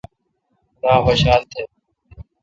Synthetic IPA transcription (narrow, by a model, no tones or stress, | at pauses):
ɗaːɦoʃaːlt̪ʰeː